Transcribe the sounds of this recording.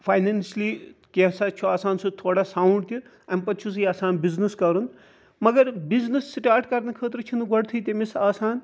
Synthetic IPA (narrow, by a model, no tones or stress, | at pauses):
pʰaːjnenslikeɦsat͡ʃʰuaːsaːnsut̪ʰoːɽasaːuɳɖ̚t̪ʰi | ɐmpɐt̪ːt͡ʃʰus̬iaːsaːnbizniskɐɾun | mɐɡɐɾbiznɨsːiʈaːɾʈkɐɾnɐkʰəːt̪ɾt͡ʃʰinɡɐɽt̪ʰuit̪emisaːsaːn